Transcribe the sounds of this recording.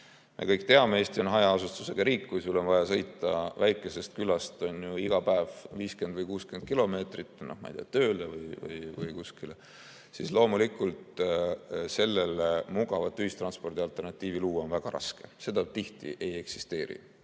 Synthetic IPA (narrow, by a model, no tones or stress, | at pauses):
mʔe̞̰kɤjk̚t̪e̞ɑmeeːst̪io̞nɦɑjɑɑsust̪use̞ɡ̥ɑɾiːkːkujsulo̞nvɑjɑsɤ̞jt̪ːˑɑvæjkːˑe̞se̞st̪̚kylɑst̪o̞njuiɡ̥ɑpæevviːske̞nd̪vɤjkuːskyend̪̚kilo̞me̞ːt̪rit̪ːˑnohmɑ̰jd̪ḛjɑt̪ø̞ːlevɤjvɯ̰jvɯjkuskile | sislo̞ːmulikːˑult̪ | se̞lːe̞lemuɡ̥ɑvɑt̪ːˑyhist̪rɑnspo̞rd̪̥iɑlt̪ˑe̞rnɑt̪ːˑiːviluːonvæɡ̥ɑɾɑ̰ske̞se̞d̪̥ɑt̪iht̪ḭʔe̞je̞ksi̥st̪e̞ːɾḭ